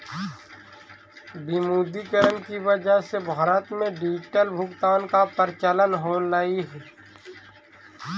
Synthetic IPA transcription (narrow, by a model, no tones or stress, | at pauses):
bimuːd̪ikəɾənkiʋəd͡ʒaɦsebʱaːɾət̪mẽɖiːd͡ʒʈəlbʱʊɡt̪aːnkapəɾt͡ʃələnɦoːlaːiɦɛː